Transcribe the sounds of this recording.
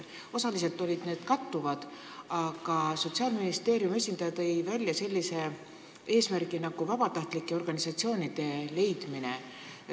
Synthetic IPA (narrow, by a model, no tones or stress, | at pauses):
o̞sɑlise̞lt̪ːˑo̞lʲid̪̥ne̞ːd̪̥kɑt̪ːuvɑd̪̥ | ɑɡ̥ɑso̞t̪siɑːlminist̪e̞ːɾjume̞sʲind̪̥ɑjɑt̪ːɤ̞jvælʲjɑselʲːise̞ | e̞ːsmærɡinɑɡ̥uvɑbɑt̪ɑht̪likːˑe̞o̞rɡ̥ɑnisɑt̪sio̞ːnid̪̥e̞le̞jd̪̥mine̞̰